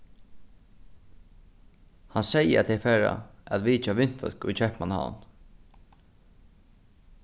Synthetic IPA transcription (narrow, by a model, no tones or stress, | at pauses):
hansɛjəat̪ʰɛfɛːɾa̰æt̪ʋiːt͡ʃaʋɪn̥t̪fœ̰lkʊ̰jt͡ʃʰɛhpmanha̰ːn